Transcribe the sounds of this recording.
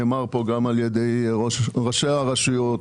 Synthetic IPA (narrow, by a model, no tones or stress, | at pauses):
maʁpoɡamaljed̪e̞joʁoʃeaʁaʃujot